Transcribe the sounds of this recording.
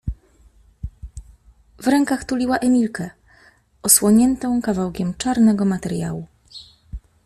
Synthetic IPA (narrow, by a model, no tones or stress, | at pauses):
vɾɛŋkaxt̪ulʲiwaʔɛmʲilkɛ | ɔswɔɲɛnt̪ɔ̃w̃kavawkʲɛmt͡ʂaɾnɛɡɔmat̪ɛɾja̰wu